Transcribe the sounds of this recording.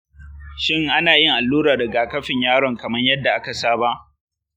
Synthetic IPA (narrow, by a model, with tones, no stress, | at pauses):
ʃɪ˦ŋʔa˦naː˨jɪ˦ŋʔa˨lːuː˦ɾaː˨dɐ˨ɡa˨kɐ˦ɸɪ˨ɲjaː˦ɽɔ˨ŋkɐ˨mɐ˦ɲjɐ˦dːa˨ʔa˦ka˨saː˦ba˦ʔ